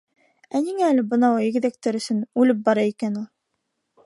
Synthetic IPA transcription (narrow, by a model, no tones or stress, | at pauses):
æniŋæːlɘbɤ̆nɑwɑiɡɘ̆ðæk̚t̪ɘɾɵ̆sɵnʉlɘp̬̚bɑɾɑikænulˠ